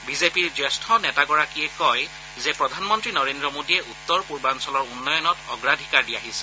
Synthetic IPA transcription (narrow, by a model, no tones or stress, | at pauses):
bizepiɹzɛstʰɔnɛtaɡɔɹakiɛkɔj | zɛpɹɔdʱanmɔntɹinɔɹendɹɔmodiɛʔut̪ːɔɹpuɹbansɔlɔɹunːɔjɔnɔtɔɡɹadʱikaɹdiaɦisɛ̥